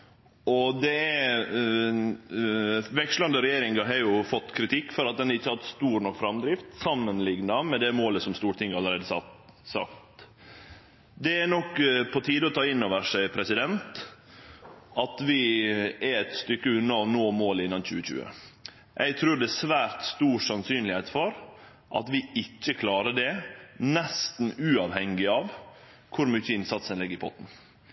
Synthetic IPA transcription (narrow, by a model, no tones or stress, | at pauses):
ɔd̪ɛæ | ʋɛkʂlɑnd̪əɾɛjeːɾɪŋɡɑɦɑɾjʊfɔt̪ːkʰɾɪt̪ʰɪkːfɔɾɑt̪̚d̪ɛnhɑɾɪçːəhɑt̪st̪uːɾnɔkfɾɑmd̪ɾɪft̪sɑmːənlɪɡnɑmɛd̪ɛmoːləsɔmst̪uːɾət̪ɪŋːəɑləɾeːd̪əsɑsɑ̰kt̪ | d̪ɛænɔkːpʰɔt̪ʰiːd̪əɔt̪ʰɑːɪnːoːʋəʂæɪpʰɾɛsɪd̪ɛnt̪ | ʔɑt̪ʋɪɛɾɛt̪st̪ʏkːəʉnːɑɔnoːmoːləɪnːɑnçʉːəçʉ̰ːə̰ | ʔæ̰ɪɡt̪ʰɾʉːɖɛsʋæːɾt̪st̪uːsɑnsyːnlɪheːt̪fɔɾ | ʔɑ̰t̪ʋɪɪcːəkʰlɑːɾəɖɛnɛst̪n̩ʉːɑʋhɛŋɪɑʋ | kʰʊɾmyçːəɪnsɑt̪sənlɪɡəɾɪbʰɔt̪ːn̩